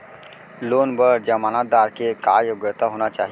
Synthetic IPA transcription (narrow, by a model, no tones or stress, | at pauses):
loːnbəɽd͡ʒəmaːnat̪̚d̪aɾkekajoɡjət̪aɦoːnat͡ʃa̰ːɦi